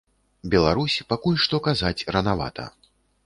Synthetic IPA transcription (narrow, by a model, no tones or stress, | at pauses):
bʲɛlˠaɾusʲpakulʲʂt̪ɔkazat͡sʲrɐnava̰t̪ʰɐ̰